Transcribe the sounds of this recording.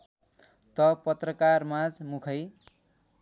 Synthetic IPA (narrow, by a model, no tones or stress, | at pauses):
t̪ʌpʌt̪rʌkarmad͡zmukʰʌj